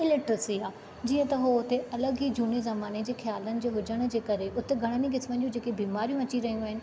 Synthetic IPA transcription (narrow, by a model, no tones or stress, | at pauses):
ɪlɪʈɾəsiaː | d͡ʑiːə̃t̪ɐɦoʊt̪eʔɐləɡiːd͡ʑʱuːnezɐmaːned͡ʑeːxjaːlənɪ̆d͡ʑoːɦʊd͡ʑəɽ̃̆d͡ʑeːkɐɾeʔʊt̪eɡʱɐɽ̃əniɡɪsmən̆d͡ʑũd͡ʑeːkebiːmaːɾijũɐt͡ɕiɾɐɦijũaːɦɪnɪ̆